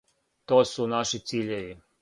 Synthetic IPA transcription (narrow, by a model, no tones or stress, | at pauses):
t̪oːsunaʃit̪siːʎeʋi